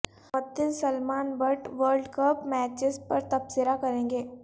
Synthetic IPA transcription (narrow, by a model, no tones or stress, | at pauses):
ɔt̪ɪlsɐlmaːnbɐʈʋəɾɖkəpmɛːt͡ʃɪzpɐɾt̪ɐbsɪɾakɐɾẽːŋɡeː